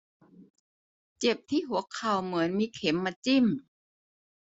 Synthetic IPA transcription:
t͡ɕe˨˩p̚t̪ʰiː˥˩ɦu˨˩˦ɐkʰa˨˩wmɯ˩˦ənmiː˧kʰe˩˦mːaː˧t͡ɕi˥˩m

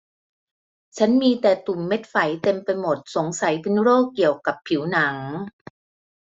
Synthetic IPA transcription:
t͡ɕʰa˦˥nmiː˧t̪ɛː˨˩t̪u˨˩mːe˦˥t̪̚fa˨˩˦jt̪e˧mpa˧jmo˨˩t̪̚so˩˦ŋsa˨˩˦jpʰɯ˧˥nɾoː˥˩kːi˨˩əwka˨˩pʰːi˩˦wna˩˦ŋ

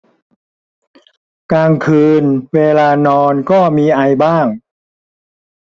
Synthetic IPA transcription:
kaː˧ŋkʰɯː˧nweː˧laː˧nɔː˧nkɔː˥˩miː˧ʔa˧jbaː˥˩ŋ

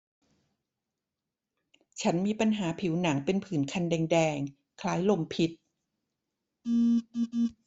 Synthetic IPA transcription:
t͡ɕʰa˦˥nmiː˧pa˧nɦaː˩˦pʰi˩˦wna˩˦ŋpe˧npʰɯː˩˦nkʰa˧ndɛː˧ŋdɛː˧ŋ | kʰlaː˦˥jlo˧mpʰi˦˥t̪̚

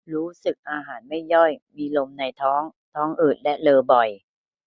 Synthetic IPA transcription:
ɾuː˦˥sɯ˨˩k̚ʔaː˧ɦaː˩˦nma˥˩jːɔ˥˩jmiː˧lo˧mna˧jt̪ʰɔː˦˥ŋt̪ʰɔː˦˥ŋʔɯː˨˩t̪̚lɛ˦˥lɤː˧bɔ˨˩j

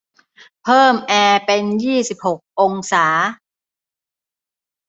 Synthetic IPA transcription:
pʰɤː˥˩mʔɛː˧pe˧njiː˥˩si˨˩p̚ho˨˩k̚ʔo˧ŋsaː˩˦

